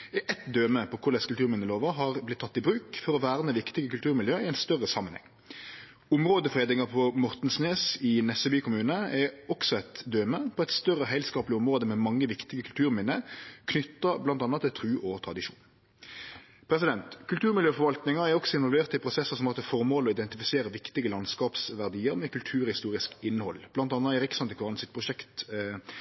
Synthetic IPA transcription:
ɛʔɛt̪d̪øːməpʰɔkʰʊɖ̪ɛskʉlt̪ʉːɾmɪnːəloːʋəɦɑʁblɪt̪ʰːɑt̪ːɪbɾʉːkfɔɾɔʋæːɾənəʋɪkt̪ɪɡəkʉlt̪ʉːɾmɪljøːɪɛɪnst̪œʁːəsɑmːənhɛ̰ŋː | ʊmʁoːd̪əfʁeːd̪ɪŋɑpʰɔmɔʁt̪n̩sneːsɪnɛsɛbyːkʊmʉːnəɛɔksɔɛt̪d̪øːməpʰɔɛɪt̪st̪œʁːəɦæɪlskɑːplɪʊmʁoːd̪əmɛmɑŋːəʋɪkt̪ɪɡəkʰʉlt̪ʰʉːɾmɪnəkʰnʏt̪ːɑblɑnt̪ɑnːɑt̪ʰːɪlt̪ʰɾʉːʔɔt̪ʰɾɑd̪ɪʂṵːn | pʰɾɛsɪd̪ɛnt̪kʰʉlt̪ʰʉːʁmɪljøːfɔɾʋɑlt̪nɪŋɑæɾɔksɔɪnʋɔlʋeːʁt̪ɪlpʰɾʊsɛsːəsɔmɑʁt̪ʰɛfɔɾmoːlɔɪd̪ɛnt̪ɪfɪseːɾəʋɪkt̪ɪɡəlɑnskɑːpsʋæʁd̪iːəɾmɛkʰʉlt̪ʰʉːɾhɪst̪uːɾɪskɪnːhɔlb̥lɑnt̪ɑnːɑɪɾɪksɑnt̪ɪkʰɑʁnsɪt̪̚pʰɾʊʂɛkt̪

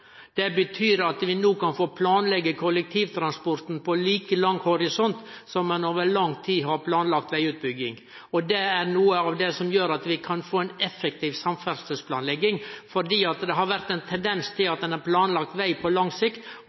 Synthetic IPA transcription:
d̪̥ɛbət̪ʰyːɾɑt̪ʋɪnuːkɑnfoːpʰlɑːnlɛɡːəkʰɔlːɛk̚t̪ʰiːʋt̪ʰɾɑnspɔɾt̪n̩pʰɔliːkəlɑŋːhɔɾɪsɔnt̪ | sɔmːɛnoːʋəɭɑŋt̪ʰiːɦɑɾpʰlɑːnlɑkt̪ʋæɪʉːt̪̚bʏɡːɪŋ | ɔd̪ɛæɾnuːəɑʋd̪ɛsɔmjøːɾɑt̪ʋɪkʰɑnfoːɛnɛfːɛk̚t̪ʰiːʋsɑmfæɾsəspʰlɑːnlɛɡːɪŋfɔɖiːɑt̪d̪ɛɦɑɾʋæɾt̪ɛɪnt̪ʰɛnd̪ɛnst̪ʰɪlɑt̪̚d̪ɛnæɾpʰlɑːnlɑk̚t̪ʋæɪpʰɔlɑŋsɪkt̪

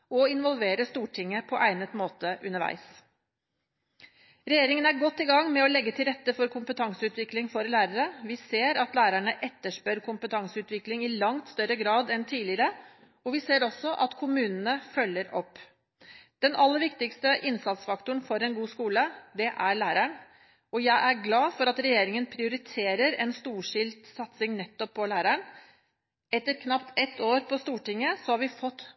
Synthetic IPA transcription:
ɔɪnʋɔlʋeːɾəst̪uːʈʰɪŋːəpʰɔʔæɪnət̪moːt̪əʔʉnəɾʋæ̰ɪs | ɾɛjeːɾɪŋənæɾɡɔt̪ːɪɡɑŋːmɛɔlɛɡːət̪ʰɪlɾɛt̪ːəfɔɾkʰʊmpət̪ʰɑŋsəʉːt̪ʋɪklɪŋfɔɾlæːɾəɾəʋɪseːɾɑt̪læːɾæɳəʔɛt̪ːəʂpœɾkʰʊmpət̪ʰɑŋsəʉːt̪ʋɪklɪŋɪlɑŋt̪st̪œɾəɡɾɑːd̪ɛnt̪ʰiːlɪəɾə | ɔʋɪseːɾɔsːɔʔɑt̪kʰʊmʉːnənəfœlːəɾɔpː | d̪̥ɛnɑlːəɾʋɪkt̪ɪkst̪əʔɪnsɑt̪sfɑkt̪ʊɳfɔɾɛnɡuːskuːləd̪ɛʔæɾɭæːɾæɳ | ɔjæɪʔæɾɡlɑːfɔɾɑt̪ɾɛjeːɾɪŋənpʰɾɪʊɾɪt̪ʰeːɾəɾɛnst̪uːʂɪlt̪sɑt̪sɪŋnɛt̪ːɔpʰːɔlæːɾæɳ | ɛt̪ːəɾkʰnɑpt̪ɛt̪ːoːɾpʰɔst̪uːʈɪŋːəsɔhɑɾʋɪfɔt̪ː

